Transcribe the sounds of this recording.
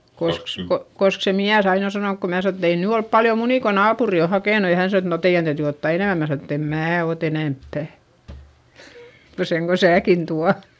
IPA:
kosk ko kosk se miæs ɑin o sɑnonk ko mæː sɑno et ei nyː olp pɑljo muniˑ ko nɑːpuri o hɑkeˑnu jɑ hæn sɑno et no teij̆æn tæytyˑ otːɑˑ eneˑmæ mæː sɑno etː em mæː ot enempːæˑ ko seŋ ko sæːkin tuɑ

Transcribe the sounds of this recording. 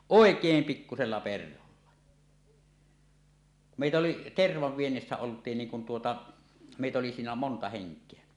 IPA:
oˑekˑeːm pikːuselːɑ perholːɑ meˑitæ oli terʋɑʋ ʋienːisːæ oltˑiːn niːŋ kun tuotɑ meˑitæ oli siːnæ montɑ heŋkˑeæ

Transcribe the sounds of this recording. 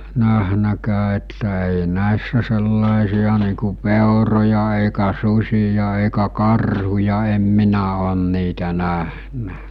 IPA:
næhnækæː etːæ eˑi næˑisːæ selːɑˑisiɑ niː ku peˑorojɑ eˑikæ susʲijɑ eˑikæ kɑrhujɑ em minæ oˑn niːtæ næhnæ

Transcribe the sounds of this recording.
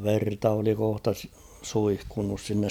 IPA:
ʋertɑ oli kohtɑ s suihkunːus sinːes

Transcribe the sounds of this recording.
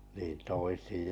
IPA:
niːn toisij

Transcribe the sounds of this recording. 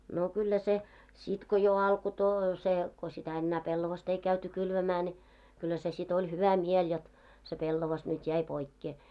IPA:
no kylːæ se sit ko jo ɑlko to se ko sitæ enːæː pelːoʋɑst ei kæyty kylʋæmæː ne kylːæ se sit olʲ hyʋæ miel jot se pelːoʋɑs nyt jæi poikːeː

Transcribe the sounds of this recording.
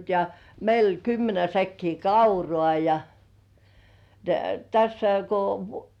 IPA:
jɑ meil olʲ kymːenæ sækːiː kɑurŏɑˑ jɑ jɑ tæsːæ ko

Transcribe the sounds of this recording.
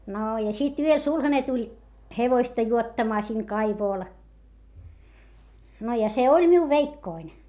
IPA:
noː jɑ sit yøl sulhɑne tulʲ heʋoistɑ juotːɑmɑː siŋ kɑiʋoˑl no jɑ se olʲ miu ʋeikːoin

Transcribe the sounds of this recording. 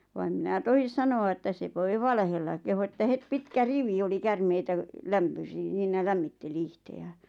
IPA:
ʋɑ em minæ tohis sɑnoɑ etːæ se ʋoi ʋɑlehelːɑ kehu etːæ het pitkæ riʋi oli kærmeitæ læmpøsi s̆iːnæ læmːitːeli ihteæ̥ːn̥

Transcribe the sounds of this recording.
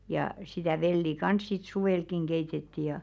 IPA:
jɑˑ sitæˑ ʋelːi kɑns sit suwelkiŋ keitetːi jɑ

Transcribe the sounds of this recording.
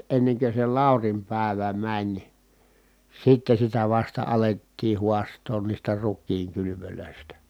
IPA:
enːekø se lɑˑurim pæˑeʋæ mænʲ sitːe sitæ ʋɑstɑ ɑletːiː huɑstˑoːn niːstæ rukˑiːŋ kylyʋyløˑistæ

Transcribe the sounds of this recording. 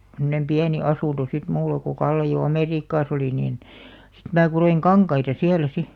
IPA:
semnem piæni ɑsuˑnto sit mulːɑ ko kɑlːe jo ɑmeˑriːkːɑːs oliˑ niːn sit mæ kuroiŋ kɑŋkɑitɑ siælæ si

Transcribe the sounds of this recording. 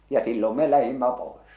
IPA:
jɑ silːom me læhimːæ poes

